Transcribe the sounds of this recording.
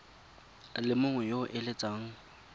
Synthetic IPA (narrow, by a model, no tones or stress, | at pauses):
lɪmʊŋwɛjoʔɪlet͡sʼaːŋ̩